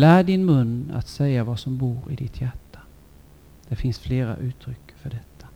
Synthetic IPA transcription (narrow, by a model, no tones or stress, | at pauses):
læːɖɪnmɵnːa̰t̪sɛjːavasɔmbuːɾɪ̰d̪ɪt̪ʰjæʈːḁ | d̪̥æɾfɪnsfleːɾa̰ʔʉ̟ːt̪ʰɾʏkːfœɖɛt̪ʰːḁ